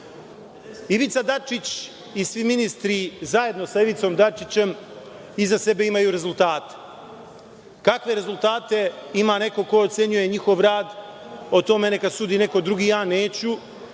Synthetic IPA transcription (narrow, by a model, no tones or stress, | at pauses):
iʋit̪sad̪at͡ʂit͡ɕ | isʋiminist̪ɾizaje̞d̪no̞saiʋit̪so̞md̪at͡ʂit͡ɕe̞m | izase̞be̞imajuɾe̞zult̪aːt̪e̥ | kakʋe̞ɾe̞zulˠt̪aːt̪e̞imane̞ko̞ko̞ot̪se̞ɲuje̞ɲixo̞ʋɾaːd̪ot̪o̞me̞ne̞kad̪suːd̪ine̞ko̞d̪ɾuɡijaːneːt͡ɕu